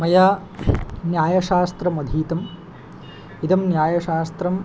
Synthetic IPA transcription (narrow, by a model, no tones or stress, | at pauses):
mɐjaː | njaːjɐʃaːst̪ɾɐmɐd̪ʱiːt̪ɐm | it̪ɐmnjaːjɐʃaːst̪ɾɐm